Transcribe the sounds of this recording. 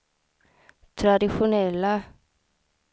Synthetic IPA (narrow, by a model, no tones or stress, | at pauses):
t̪ʰɾad̪ɪɧʊnɛlːa